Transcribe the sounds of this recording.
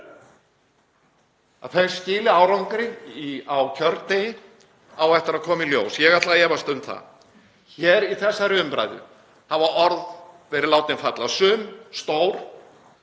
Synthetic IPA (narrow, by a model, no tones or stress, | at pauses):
a̰ðfe̥scɪːlɪaːwɾawŋkɾɪiawcʰœɾt̪nejɪ | awɛft̪ɪɾaðkʰɔːmiljo̰ːwsjɛɣat̪laðɛːvast̪ʏnt̪θa̰ | çɛːɾiθɛsːaɾʏmpɾa̰ːjðʏ̰ | havaɔɾðvɛɾɪlaːwt̪ɪnfat̪lasʏmst̪oːwɾ̥